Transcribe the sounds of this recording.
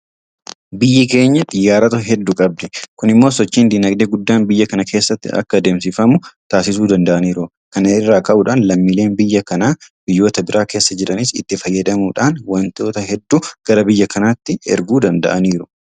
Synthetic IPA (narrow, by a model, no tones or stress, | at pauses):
bɪjːɪke̞ːɲːɐt̪ʼɪjːaːɾɐt̪ɐɦɛd̪ːʊkʼɐb̚d̪ɛkʊnɪmːo̞ːsɔt͡ʃːiːnd̪iːnɐɡd̪eːɡʊd̪ːaːnbɪjːɐkɐnɐkʰe̞ːsːɐt̪ːɪ̰ɐ̰kːɐd̪eːmsɪfɐmʊt̪aːsɪs̬uːd̪ɐnd̪ɐʔɐniːɾʊ | kɐnɐɪrːaːkɐʔuːᶑaːnlɐmːiːle̞ːnbɪjːɐkɐnaːbɪjːo̞ːt̪ɐbɪɾʔaːke̞ːsːɐd͡ʒɛᶑɐnɪsɪ̰t̪ːɪfɐjːɐd̪ɐmuːᶑaːnwɐnt̪o̞ːt̪ɐɦɛd̪ːuɡ̥ɐɾɐbɪjːɐkɐnat̪ːɪɛ̰ɾɡuːd̪ɐnd̪ɐ̰ʔɐniːɾʊ̥